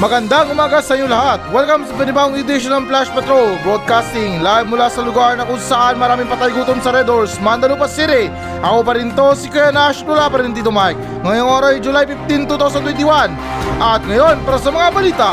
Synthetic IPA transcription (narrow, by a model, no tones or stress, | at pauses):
mɐɡɐnd̪aɐŋʊmaːɡɐsɐʔɐjoŋlɐhat̪̚wɛlkɐmsɐbɛnɪbaʊŋjʊd̪ɪʃonɐŋplaʃpɛt̪ɾolbod̪̚kast̪ɪŋlabmʊlasɐlʊɡaɾnɐkʊŋsɐʔanmɐɾaːmɪŋpɐt̪ajɡuːt̪omsɐɾɛd̪oɹsmand̪ɐlopɐsiɾɪ | ʔɐkopɐɾint̪osɪkɛnaʃmʊlapɐɾint̪it̪ʊmajk̚ | ŋɐjoŋʔoɾɐsd͡ʒʊlajpɪft̪int̪ut̪aws̬ɐnt̪wɛnt̪ɪwan | ʔɐt̪̚ŋɐjo̞npaɾɐs̬ɐmɐŋabɐliːt̪ɐ